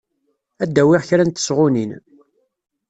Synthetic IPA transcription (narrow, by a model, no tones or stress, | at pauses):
æd̪ːæwɪʁçɾænt̪ə̥sʁʊnin